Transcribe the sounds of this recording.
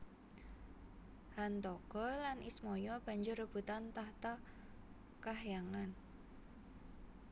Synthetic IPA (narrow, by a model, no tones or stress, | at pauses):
hant̪ɔɡ̥ɔlanʔismɔjɔb̥a̤ɲd͡ʒʊrəb̥ṳt̪ant̪aht̪a | kaɦjaŋan